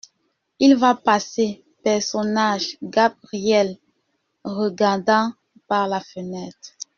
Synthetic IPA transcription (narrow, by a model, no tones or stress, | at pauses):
ilvapase | pɛʁsɔnaʒɡabʁiɛl | ʁəɡaʁd̪ɑ̃ | paʁlafənɛt̪χ